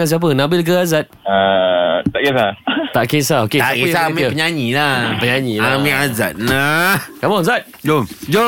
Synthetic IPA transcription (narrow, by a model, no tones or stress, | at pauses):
ŋans̬iap̬ənabɪlk̬əazat̪̚at̪aʔkesat̪aʔkesaokeakesamãpəɲaɲilapəɲaɲilamẽaza̰t̪̚nakabɔŋzat̪̚d͡ʒomd͡ʒo